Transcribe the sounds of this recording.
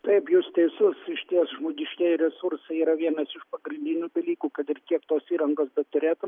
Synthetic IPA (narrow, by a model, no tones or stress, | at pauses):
t̪ɐɪpjʊst̪ʲɛɪsʊsɪʃʲt̪ʲiɛsʒmoːɡʲɪʃʲkʲɛːjɾʲɛsʊɾsɐɪiːɾɐʋʲiɛnɐsɪʃpɐɡɾʲɪnʲd̪ʲɪnʲuːd̪ʲɐlʲiːkuːkɐt̪ɪɾkʲiɛkt̪oːsiːɾɐŋɡoːsbʲɛt̪t̪ʊɾʲeːt̪ʊ